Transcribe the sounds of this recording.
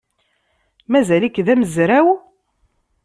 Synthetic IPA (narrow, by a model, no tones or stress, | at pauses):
mæzælikːðæməzɾæw